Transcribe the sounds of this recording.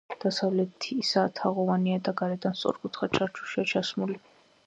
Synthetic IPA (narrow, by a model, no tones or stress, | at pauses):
d̪̥asavlɛt̪ʰiːsaːt̪ʰaʁɔvaniad̪aɡaɾɛd̪anst̪sʼɔ̰ɾkʼut̪ʰχat͡ʃʰaɾt͡ʃʰu̥ʃiat͡ʃʰasmuli